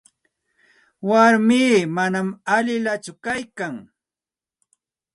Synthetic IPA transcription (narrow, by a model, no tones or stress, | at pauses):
waɾmiːmanamaʎɪlat͡ʃʊkajkaŋ